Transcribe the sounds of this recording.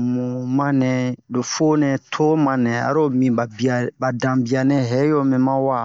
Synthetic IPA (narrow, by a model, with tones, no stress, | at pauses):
mũ˨mã˦nɛ̃˨do˨fo˦nɛ̃˨tʰo˦mã˨nɛ̃˨a̰˨ɾo˦mĩ˨ba˨bia˨ba˨dã˨bi˨a˨nɛ̃˦ɦɛ˨˦jo˦mɛ̃˨mã˦wa˦